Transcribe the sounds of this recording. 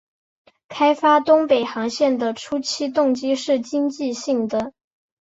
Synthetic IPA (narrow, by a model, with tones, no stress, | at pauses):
kʰa˥ɪfa˥t̪ʊ˥ŋpe˨˩ɪxɑ˧˥ŋɕjɛ˥˩nd̪ə˩ʈ͡ʂʰu˥t͡ɕʰi˥t̪ʊ˥˩ŋt͡ɕi˥ʂɻ̩˥˩t͡ɕi˥ŋt͡ɕi˥˧ɕi˥˩ŋd̪ə˩